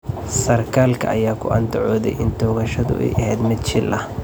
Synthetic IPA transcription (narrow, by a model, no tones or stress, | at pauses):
sɐrkʰaːlkʰɐ̰ʔɐjaːkʰʊʔɐnt̪ʰʊʕɔːðɛ̰jʔɪnt̪ʰɔːɣɐʃɐðʊ̰ʔɛ̰jʔɐɦɛːd̪mɪd̪t͡ʃɪlʔɐ̰